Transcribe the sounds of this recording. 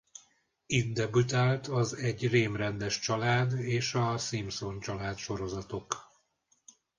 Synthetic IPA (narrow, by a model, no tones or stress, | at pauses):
id̪d̪ɛbut̪alt̪ʰɒzɛɟːreːmrɛnd̪ɛʃt͡ʃɒlaːd̪eːʃɒsimso̞nt͡ʃɒlaːt̪ʃo̞ɾo̞zɒt̪o̞k